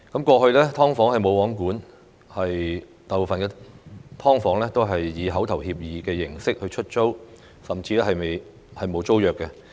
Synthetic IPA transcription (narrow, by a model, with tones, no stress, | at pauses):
kɐ˨˥mkʷɔː˧hɵ˧ɥlɛː˥t̪ʰɔː˥ŋfɔː˨˥ŋhɐ˨jmo˨˧wɔː˨˥ŋkuː˨˥n | hɐ˨j | t̪aː˨po˨fɐ˨nkɛː˧t̪ʰɔː˥ŋfɔː˨˥ŋlɛː˥t̪o˥wɦɐ˨jːiː˨˧ɦɐ˨˥wt̪ʰɐ˨˩whiː˧p̚jiː˨˧kɛː˧jɪ˨˩ŋsɪ˥k̚hɵ˧ɥt͡ʃʰɵ˥t̚t͡so˥w | sɐ˨mt͡siː˧lɛː˥hɐ˨jme˨j | hɐ˨jmo˨˧wt͡so˥wjœː˨kːɛ˧